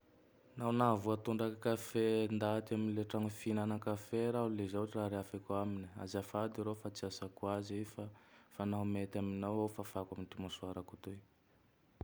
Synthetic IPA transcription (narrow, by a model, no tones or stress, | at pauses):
nawnavuat̪uɳɖ͡ʐakkafend̪at̪iaminileʈ͡ʂaŋufinanakafeɾaulezawaʈ͡ʂiraɾeafakuaminia̰zafad̪iɾofat͡siasakuazefafanaɦumet̪aminawawfafakamit̪imasuaɾakut̪u